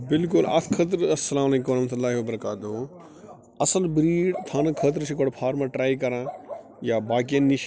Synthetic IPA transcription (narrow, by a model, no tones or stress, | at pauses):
bɪlkʊlɐ̰t̪ʰkʰət̪̬ɾɐsːɐlaːmɐleːkõmɾɐhmɐt̪ulːaːɦiʋɐbɐɾɐkaːt̪o | ɐsəlbɾiːɖt̪ʰãːnɐkʰət̪̬ɾt͡ʃʰikoɽpʰaːɾmãʈɾaːikɐɾãː | jabaːk̬ijənːiʃ